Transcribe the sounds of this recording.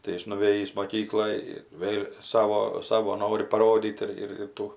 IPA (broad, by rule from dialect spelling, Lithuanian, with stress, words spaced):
tɐɪ ˈjɪs nʊˈʋʲeːjiːs moːˈkʲiːklˠoːj ˈʋʲeːlʲ ˈsɑːʋoː ˈsɑːʋoː ˈnoːrʲɪ pɐˈroːdʲiːt ɪr ɪr ˈtuː